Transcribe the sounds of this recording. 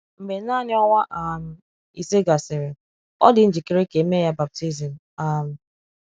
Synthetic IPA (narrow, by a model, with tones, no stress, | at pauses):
m̩˨me˨˦na˦˨nɪ˦ɔ˦ŋʷa˦ʔa˨m̩˨ | i˨se˦ɡa˨sɪ˨ɾɪ˨ | ɔ̰˦dɪ˦n̩˦d͡ʒi˨ke˦ɾe˦ke˨˦me˦ja˦ba˨p̚ti˦zɪ˨n | a˦˨m̩˨